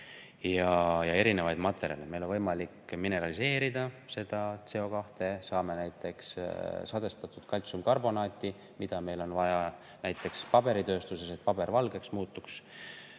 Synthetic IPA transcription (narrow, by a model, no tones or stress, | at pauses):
jɑjɑe̞ɾine̞vɑjd̪̥mɑt̪ːˑe̞ɾjɑ̰leme̞jlo̞nvɤjmɑlikːmine̞ɾɑlise̞ːɾid̪ɑse̞d̪̥ɑt̪se̞o̞kɑht̪e̞sɑːme̞næjt̪ːˑe̞kssɑd̪e̞st̪ɑt̪ːˑud̪̥kɑlʲt̪sumkɑrbo̞nɑːt̪ʲːˑi | mid̪̥ɑme̞jlo̞nvɑjɑ | næjt̪ːˑe̞kspɑb̥e̞ɾit̪øːst̪usese̞t̪̚pɑb̥e̞ɾvɑlɡe̞ksmuːt̪ːˑuks